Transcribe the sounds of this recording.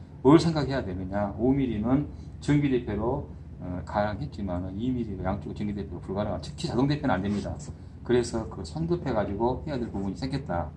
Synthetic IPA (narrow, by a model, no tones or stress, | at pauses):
ɯɭsʰe̞ŋɡakhʰe̞jadwemjɯɲaomiɾinɯn | t͡ɕɯŋɡide̞pʰjoɾo | kaɾaŋɦe̞t̚t͡ɕ͈imanɯnimiɾiɡajaŋt͡ɕ͈oɡ̚t͡ɕɯŋɡidepʰjoɾopuɭɡanaatʰɯ̥kʰit͡ɕadoŋdepʰjonɯnandwe̞mɲida | kɯɾe̞sʰʌkɯsʰʌndɯpʰe̞ɡad͡ʑiɡohe̞jadweɭpubuɲisʰeŋɡet̚t͈a